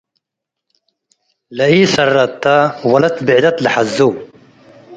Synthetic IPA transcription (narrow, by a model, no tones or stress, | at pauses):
lɐiːsɐrːɐt̪ːawɐlɐt̪bɪʕd̪ɐt̪lɐħɐzːu